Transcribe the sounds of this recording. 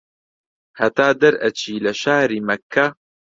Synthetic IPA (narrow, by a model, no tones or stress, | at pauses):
hɐt̪aːd̪ɐɾɐt͡ʃʰiːlɐʃaːɾiːmɐkʰːa